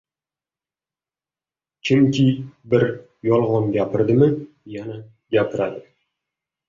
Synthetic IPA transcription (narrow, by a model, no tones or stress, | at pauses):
t͡ʃʰʊŋkʲʰɪbɪɾ | jɒlˠʁɒnɡʲapʰɪɾd̪ɪmɪ | jana | ɡʲapʰɪɾad̪ɪ